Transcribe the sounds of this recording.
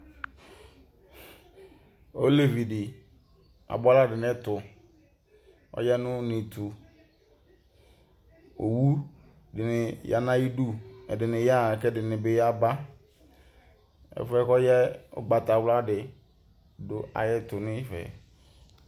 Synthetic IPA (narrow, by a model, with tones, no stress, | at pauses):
o˦le˦˨vi˨dɪ˨ | a̰˨ba˦la˦dɪ˨nɪ˦tʊ˨ | ɔ̰˦jɛ˦nʊ̃˦nɪ˨tu˨ | o̰˨wu˦ | dɪ˨nɪ˨ja̰˨nã˦ji˦du˦ɛ̰˨dɪ˨nɪ˨ja˦˨kɛ˦dɪ˨nɪ˨bɪ˨ja˦ba˦ | ɛ̰˨fɛ˦kɔ˦jɛ˦ʊ̰˦ɡ͡ba˨ta˨wla˦dɪ˨ | dʊ˨ʔa̰˨jɛ˦tʊ˨nɪ˦fɛ̰˨